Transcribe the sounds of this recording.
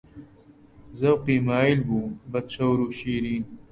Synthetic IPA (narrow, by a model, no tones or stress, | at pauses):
zɐwqiːmaːilbubɐt̪̚t͡ɕɐwɾuɕiːɾiːn